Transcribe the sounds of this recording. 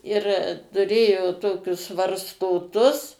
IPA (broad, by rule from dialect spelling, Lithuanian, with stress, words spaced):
ɪr tʊˈrʲeːjoː ˈtoːkʲʊs ʋɐrstoːˈtʊs